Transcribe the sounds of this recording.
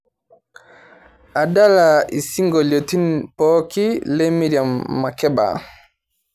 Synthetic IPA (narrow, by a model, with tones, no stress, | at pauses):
a˨da˦la˨i˨si˦ŋɡɔ˨ljɔ˨ti˦npɔ˦ki˦lɛ˦mi˦ɾja˨mːa˨kɛ˦ba̰˨